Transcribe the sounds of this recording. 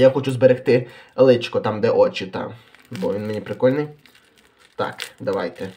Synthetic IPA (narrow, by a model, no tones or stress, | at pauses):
jaxɔt͡ʃuzbɛɾext̪ɪ | lˠɪt͡ʃkɔt̪ɑmd̪ɛʔɔt͡ʃʲɪt̪ɑ̰m | bɔʋʲinmenʲipɾɪkɔlʲnɪj | t̪ɑ̰kd̪ɐʋajt̪ɛ